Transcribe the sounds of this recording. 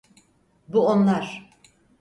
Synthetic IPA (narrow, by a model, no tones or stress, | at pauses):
buonlˠaɾ̥